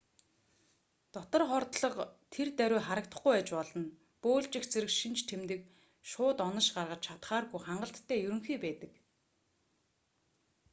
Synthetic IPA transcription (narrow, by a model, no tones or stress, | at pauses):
t̪ɔt̪ɞ̆rχɔrt̪ɮɞ̆qt̪ʰert̪æɾʲʊːχaɾə̆k̚t̪ə̆χɡujæt͡ɕpɔɮɞ̆n | pʊːɮt͡ɕɪ̆xt͡sĕɾɘ̆kʃint͡ɕt̪ʰemt̪ɘ̆k̚ | ʃʊːt̪ɔnə̆ʃɢarʁə̆t͡ɕt͡ɕʰat̪χaːrɣujχaɴɢə̆ɬt̪ʰːæːjɵɾɵ̆ŋxiːpæːt̪ə̆k